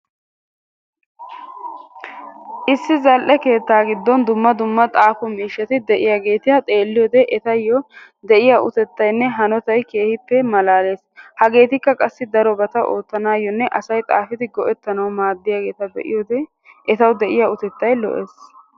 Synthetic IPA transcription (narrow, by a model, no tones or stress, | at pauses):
ʔɪsːɪzɐlʔɛke̞ːt̪ːaːɡɪd̪ːɔnd̪ʊmːɐd̪ʊmːɐt̪ʼaːfʊmiːʃːɐt̪ɪd̪ɛʔɪjaɡe̞ːt̪ɪhɐt̪ʼe̞ːlːɪjɔːd̪ɛʔɛt̪ɐjːɔ | d̪ɛʔɪjaʔʊt̪ɛt̪ːɐjnːɛɦɐnɔt̪ɐjke̞ːhɪpːɛmɐlaːle̞ːshɐɡe̞ːt̪ɪkːɐkʼɐsːɪd̪ɐɾɔbɐt̪ɐʔoːt̪ːɐnaːjːɔnːɛʔɐsɐjt̪ʼa̰ːfɪt̪ɪɡɔʔɛt̪ːɐnɐwmaːd̪ːɪjaɡe̞ːt̪ɐbɛ̰ʔɪ̰jɔd̪ɛ | ʔɛt̪ɐwd̪ɛʔɪjaʊt̪ɛt̪ːɐjlɔ̰ʔḛːs